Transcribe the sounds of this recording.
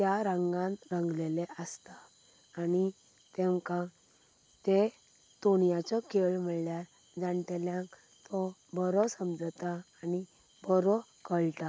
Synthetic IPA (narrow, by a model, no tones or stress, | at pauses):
t̪jaɾə̃ŋɡãnɾəŋɡleleʔəst̪aː | ni | t̪ẽmkã | t̪e | t̪oɳjat͡ɕɔkeɭm̤əɭljaɾ | d͡zant̪ɛljãŋk | t̪ɔbɔɾɔsəmd͡zt̪aːni | bɔɾɔ | kəɭt̪a